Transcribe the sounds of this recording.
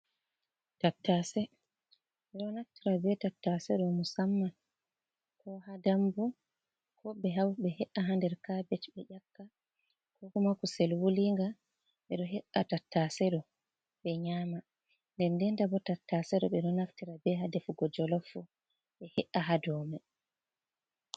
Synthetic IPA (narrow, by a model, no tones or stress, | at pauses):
tatːasɛ | ɓɛɗɔnaftiɾabɛtatːasɛɗɔmusamːan | kʰɔhadambu | kʰɔbɛɦawɓɛhɛʔaɦandɛɾkabɛt͡ʃɓɛʔakːa | kɔkɔmakusɛlwuliŋɡa | ɓɛɗɔɦɛʔːatatːasɛɗɔ | ɓɛɲama | ndɛndɛndabɔtatːasɛɗɔ̰ɓɛɗɔnaftiɾabɛɦadɛfuɡɔd͡ʒɔlɔfu | ɓɛhɛʔaɦadɔmɛ